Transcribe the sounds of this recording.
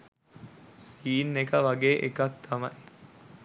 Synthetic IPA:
siːnːekɐʋɐɡeːʔekɐk̚t̪ʰɐmɐj

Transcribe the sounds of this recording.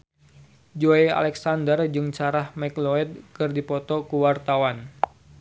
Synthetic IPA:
d͡ʒoɛa̰lɛksandərd͡ʒɨŋt͡ʃaɾahmɛkloɛd̪̚kɨrdipɔt̪ɔkuwart̪awan

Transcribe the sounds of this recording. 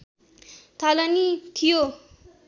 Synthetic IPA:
t̪ʰalʌnit̪ʰijo

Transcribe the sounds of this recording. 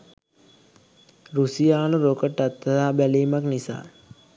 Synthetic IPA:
ɾusijaːnəɾokəʈat̪ːəd̪aːbæleːmaknisa̰ː

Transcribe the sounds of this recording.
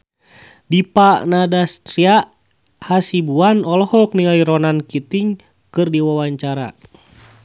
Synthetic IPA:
dipaʔnadast̪ɾiaʔ | hasibuanɔlɔhɔk̚niaiɾɔnankit̪iŋ | kɨrdiwawaɲt͡ʃaɾa̰

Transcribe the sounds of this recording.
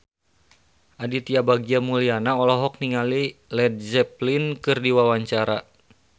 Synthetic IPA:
ʔadit̪iabaɡiamulianaɔlɔɦɔk̚niŋalilɛd̪̚zɛplinkɨrdiwawaɲt͡ʃaɾa

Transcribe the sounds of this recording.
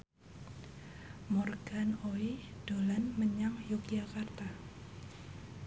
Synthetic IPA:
mɔrɡ̥anoid̥olanməɲaŋjʊk̚d͡ʒakart̪a

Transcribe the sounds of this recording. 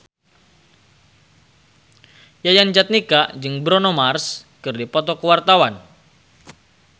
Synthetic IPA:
jajand͡ʒat̪̚nikad͡ʒɨŋbɾɔnomarskɨrdipɔt̪ɔkəwart̪awan

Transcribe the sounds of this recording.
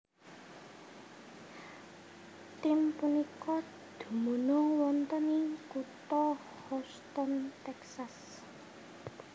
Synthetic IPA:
t̪ɪmpunikɔ | d̪̥o̤monɔwɔnt̪ənikut̪ɔ | hɔst̪ɔnt̪ɛksas

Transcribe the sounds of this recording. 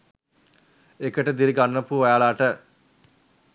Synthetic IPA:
ekəʈəd̪iɾiɡanːəpuʋajalaːʈə

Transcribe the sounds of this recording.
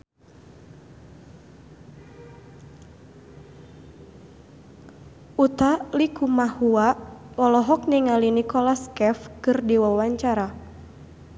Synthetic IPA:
ut̪alikumahuawɔlɔɦɔk̚niŋalinikɔlaskɛfkɨrdiwawaɲt͡ʃaɾa

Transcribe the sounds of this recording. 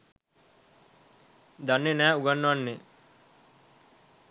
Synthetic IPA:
d̪anːenæːuɡanːʋanːe

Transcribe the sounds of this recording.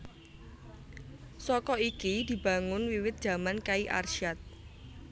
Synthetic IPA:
sɔkɔikid̪̥i̤ba̤ŋʊnwiwɪt̪̚d̥ʒ̥a̤mankaiʔa̰rʃat̪̚

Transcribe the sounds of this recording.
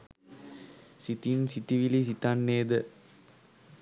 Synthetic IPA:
sit̪insit̪iʋilis̬it̪anːeːd̪ə

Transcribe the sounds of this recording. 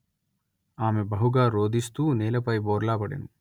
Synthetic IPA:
aːmebɐɦuɡaːɾoːd̪ist̪uːneːlɐpɐjboːɾlaːpɐɽḛn

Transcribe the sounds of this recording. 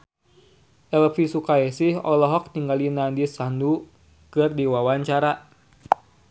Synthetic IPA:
ʔɛlfisukaɛsɪhɔlɔɦɔk̚t̪iŋɡalinandisandu | kɨrdiwawaɲt͡ʃaɾa

